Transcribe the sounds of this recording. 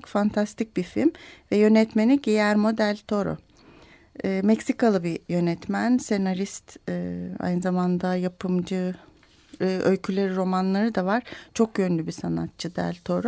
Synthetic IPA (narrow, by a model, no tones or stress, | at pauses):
fant̪ʰast̪ʰic̚bifḭlʲmvɛjø̞nɛt̪me̞niɟejæɾmo̞d̪ælʲt̪ʰo̞ɾo̰ | mɛcsikalˠɯbijø̞nɛt̪mænse̞naɾist̪ː | a̰jnɯzamand̪ajapʰɯmd͡ʒɯ | ʔølʲcʰylʲe̞ɾiɾo̞manlˠaɾɯd̪avaɾ̥t͡ʃʰo̞k̚jønlʲybisana̰t̪̚t͡ʃʰɯd̪æ̰lʲt̪ʰo̞ɾo